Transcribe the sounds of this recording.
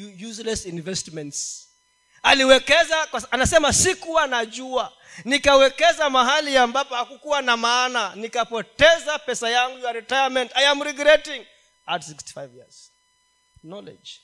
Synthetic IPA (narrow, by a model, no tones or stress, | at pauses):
juzlɛsinvɛstmɛnts | aliwɛkɛzakaanasɛmasikuwanaʄua | nikawɛkɛzamaɦaliambapɔhakukuwanamaːnanikapɔtɛzapɛsajaŋɡujaɾitajamɛntajamɾiɡɾɛtiŋ | atsiksti̥fajvjiaz̥ | nɔlɛ̰d͡ʒ